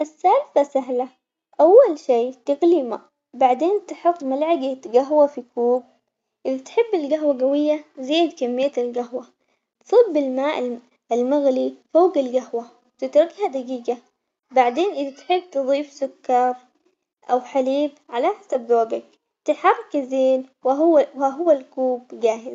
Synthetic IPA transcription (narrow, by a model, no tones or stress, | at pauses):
ʔɪsːalfasaɦla | ʔawːalʃiːt̪ɪɣlima̰ʔ | baʕd̪eːnt̪ɪħɨt̪ːˤmalʕaɡaɡaɦwafikuːb̚ | ʔɪðat̪ħɪbːɪlɡaɦwaɡawɪjːazeːd̪kamːɪjːaɪlɡaɦwa | t̪sˤɨbːɪlmaːʔ | ɪlmaɣlifoːɡalɡahwa | wt̪ɪt̪ɾɡhad̪aɡiːɡa | baʕd̪eːnʔɪðat̪ħɪbːt̪ɨðˤiːfsʊkːɑɾˤ | ʔawħaliːb̚ʕalaʔħasabdoːɡak̚ | t̪ɪħɑrˤːkazeːn | aɦʊwːalkuːbɡaːɦɪz